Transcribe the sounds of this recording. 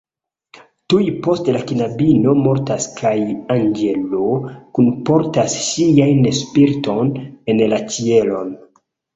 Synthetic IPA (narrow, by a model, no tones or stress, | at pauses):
tujpo̞stlakinabino̞mo̞ɾtaskʰajanɡe̞lokunpo̞ɾtasːiajnespiɾto̞nenlat͡ʃielo̞n